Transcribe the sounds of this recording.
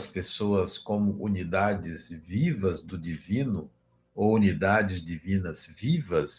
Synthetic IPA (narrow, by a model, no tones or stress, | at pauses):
spesoɐskõmʊʔunid̪ad͡ʒɪzvivɐzd̪ʊd͡ʒivĩnʊ | ounid̪ad͡ʒɪzd͡ʒivĩnɐzvivɐs